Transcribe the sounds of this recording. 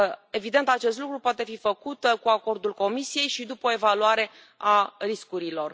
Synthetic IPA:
e̞vid̪e̞nt̪at͡ʃe̞st̪lukɾupoat̪e̞fifəkut̪kuako̞rd̪ulko̞misije̞jʃid̪upəoe̞valuaɾe̞ | ariskuɾilo̞r

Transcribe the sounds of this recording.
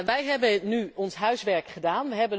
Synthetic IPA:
ʋɛjɦɛbənyɔnsɦœɥsʋɛɹkχədaːnʋəɦɛbən

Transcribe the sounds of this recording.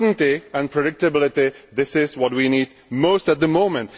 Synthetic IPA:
dn̩tiə̃npʰɹ̥ɨdɪk̚tɨbɪlˠɪtiðɪsɪzwʌt̚winid̚moʊstət̪̚ðəmõʊ̃mɨ̃nt

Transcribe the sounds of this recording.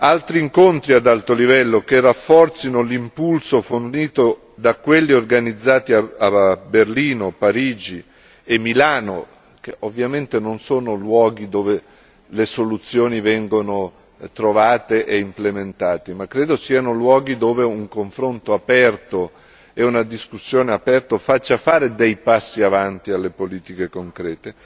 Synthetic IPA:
alt̪ɾiːŋkont̪ɾiad̪alt̪olivɛlːokerːafːɔrt̪sinolimpulsoforniːt̪o | d̪akːwelːiorɡanid̪zːaːt̪iaaberliːnopaɾiːd͡ʒi | emːilaːno̰ | keʔovːjament̪enonsoːnolwɔːɡ̟id̪oːve | lesolut̪sːjoːnivɛŋɡono | t̪ɾovaːt̪eʔeimplement̪aːt̪imakːɾeːd̪osiːanolwɔːɡid̪oːveuŋkoɱfɾont̪oapɛrt̪o | eunad̪iskusːjoːneapɛrt̪ofat͡ʃːafaːɾed̪ejpasːiavant̪ialːepoliːt̪ikekoŋkɾɛːt̪e

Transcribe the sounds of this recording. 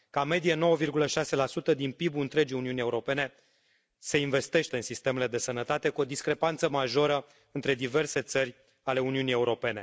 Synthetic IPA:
kame̞d̪ijeno̞wəvirɡuləʃase̞lasut̪əd̪inpibuɨnt̪ɾe̞d͡ʒiuniunie̞uɾo̞pe̞ne̞ | se̞inve̞st̪e̞ʃt̪e̞ɨnsist̪e̞me̞le̞d̪e̞sənət̪at̪e̞kuo̞d̪iskɾe̞pant̪səmaʒo̞ɾə | ɨnt̪ɾe̞d̪ive̞rse̞t̪sərʲ | ale̞uniunije̞uɾo̞pe̞ne̞

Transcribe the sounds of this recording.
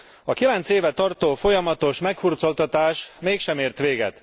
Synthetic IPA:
ɒkilɛnt̪seːvɛt̪ɒrt̪oːfo̞jɒmɒt̪o̞ʃmɛkfurt̪so̞lt̪ɒt̪aːʃmeːkʃɛmeːrt̪ʋeːɡɛ̰t̪

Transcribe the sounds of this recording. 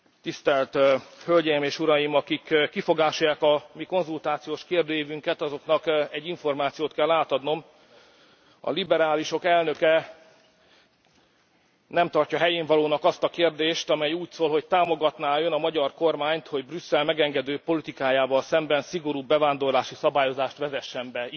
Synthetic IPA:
t̪ist̪ɛlt̪hølɟɛjimeːʃuɾɒjimɒkikːifo̞ɡaːʃjaːkɒmiko̞nzult̪aːt̪sijoːʃkeːrd̪øːjivyŋkɛt̪ɒzo̞kn̪ɒkɛɟːiɱfo̞rmaːt̪sijoːt̪kɛlːaːt̪ɒd̪no̞m | ɒ̰libɛɾaːliʃo̞kɛlnø̞kɛ | nɛmt̪ɒrcɒɦɛjeːɱvɒloːnɒkɒst̪ɒkeːrd̪eːʃt̪ɒmɛjuːcsoːlɦo̞ct̪aːmo̞ɡɒt̪naːønɒmɒɟɒrko̞rmaːɲt̪ho̞ɟbrysːɛlmɛɡɛŋɡɛd̪øːpo̞lit̪ikaːjaːvɒlsɛmbɛnsiɡo̞ɾuːbɛvaːnd̪o̞rlaːʃisɒbaːjo̞zaːʃt̪ʋɛzɛʃːɛmbɛi

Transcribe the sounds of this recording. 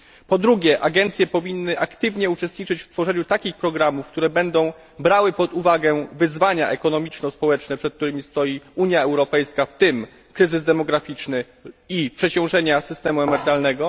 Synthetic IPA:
pɔd̪ɾuɡʲjɛʔaɡɛnt̪sʲjɛpɔvʲinːɘʔakt̪ɘvɲɛut͡ʂɛst̪ɲit͡ʂɘt͡ɕft̪fɔʐɛɲut̪akʲixpɾɔɡɾamufk̚t̪uɾɛbɛnd̪ɔ̃w̃ | bɾawɘpɔd̪uvaɡɛvɘzvaɲa̰ʔɛkɔnɔmʲit͡ʂnɔspɔwɛt͡ʂnɛpʂɛt̪̚kt̪uɾɘmʲist̪ɔjiuɲjaɛwɾɔpɛjskaft̪ɘm | kɾɘzɘzd̪ɛmɔɡɾafʲit͡ʂnɘ | ipʂɛt͡ɕɔ̃w̃ʐɛɲasɘst̪ɛmuɛmɛɾɘt̪alnɛɡɔ

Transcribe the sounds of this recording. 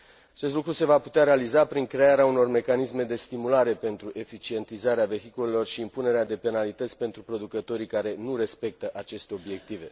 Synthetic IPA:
at͡ʃest̪lukɾuse̞vaput̪eaɾe̞alizapɾiŋkɾe̞aɾeauno̞rme̞kanisme̞d̪e̞st̪imulaɾe̞pe̞nt̪ɾuʔe̞fit͡ʃie̞nt̪izaɾeave̞ɦikule̞lo̞rʃiːmpune̞ɾead̪e̞pe̞nalit̪ət̪sʲpe̞nt̪ɾupɾo̞d̪ukət̪o̞ɾikaɾe̞nuɾe̞spe̞k̚t̪əʔat͡ʃe̞st̪e̞o̞bje̞k̚t̪ive̞

